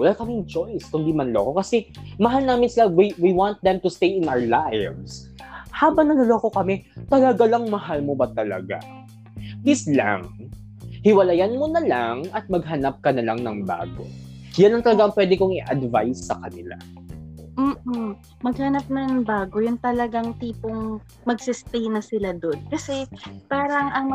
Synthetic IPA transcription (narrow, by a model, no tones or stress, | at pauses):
wɐlaːkɐmɪŋt͡ʃo̞jskʊnd̪imɐnɐloːko̞kɐsɛmɐɦalnaːmɪnsɪlawiwiwant̪̚d̪ɛmt̪ʊst̪ejɪnawə˞lajvs | haːbɐŋnɐnɐloːko̞kɐmɛt̪ɐlɐɡalɐŋmɐɦalmobɐt̪ɐlɐ̰ɡa̰ | hɪsla̰ŋ | hɪwɐlajanmonɐlaŋɐt̪̚mɐɡ̚ɦɐnap̚kɐnɐlaŋnɐŋba̰ːɡo̰ | janlɐŋt̪ɐlɐɡaʔɐŋpwɛd̪ɪkoŋɪʔɐd̪vajsːɐkɐnɪla̰ | m̩ː | mɐɡ̚hanap̚nɐŋbaːɡojʊnt̪ɐlɐɡaŋt̪iːpoŋ | mɐɡsɪst̪ejnɐsɪlad̪onkɐsɛpaːɾɐŋʔɐŋm